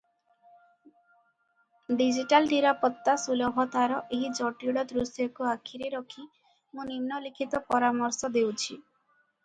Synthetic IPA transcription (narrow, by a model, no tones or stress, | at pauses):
ɖid͡ʒiʈalniɾapɔt̪ːasulɔbʱɔt̪aɾɔʔeɦid͡ʒɔʈiuɽɔd̪ɾusjɔkuakʰiɾeɾɔkʰi | mũninːɔlikʰit̪ɔpɔɾamɔɾsɔd̪ewt͡ʃʰi